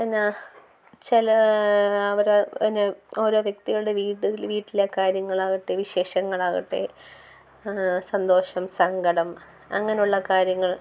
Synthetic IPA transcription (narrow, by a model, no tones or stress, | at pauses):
ɐnːa | t͡ɕilɐ | ɐʋɐɾinːeo̞ːɾo̞ːʋjek̚t̪iɣɐɭɨɽe̞ʋiːʈːʋiːʈːilekaːɾjɐŋːɐɭaːɣiʈːeʋiɕe̞ːʂɐŋːɐɭaːɣiʈːḛ | sɐnd̪o̞ːʂɐmsɐŋɡɐɽɐm | ɐ̰ŋːɐnejuɭːɐkaːɾjɐŋːɐɭ